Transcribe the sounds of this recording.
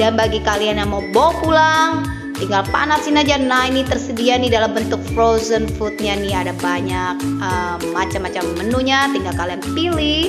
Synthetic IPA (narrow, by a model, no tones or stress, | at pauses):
danbaɡikalianjamobopulaŋ | t̪iŋɡalpa̰nasinad͡ʒanainit̪ərsədianidalambənt̪ʊk̚fɾozənfut̪̚ɲaniadabaɲak̚əmːat͡ʃamːat͡ʃamːənuɲat̪iŋɡalkalianpilih